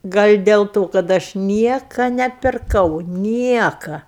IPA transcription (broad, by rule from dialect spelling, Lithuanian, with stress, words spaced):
ˈɡɐlʲ dʲɛlˠ ˈtoː kɐt ˈɐʃ ˈnʲiɛkɐ nʲɛpʲɪrˈkɐʊ ˈnʲiɛkɐ